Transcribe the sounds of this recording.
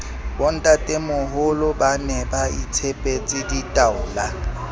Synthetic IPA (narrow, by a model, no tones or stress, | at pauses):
bɔn̩tʼatʼemʊɦʊlʊbanɛbait͡sʰepʼet͡sʼɪditʼaʊːla